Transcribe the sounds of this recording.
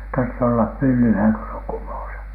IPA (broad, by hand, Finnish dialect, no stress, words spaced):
tɑrtːe olːɑp pylːylhæˑŋ ko s oŋ kumoˑsɑ̥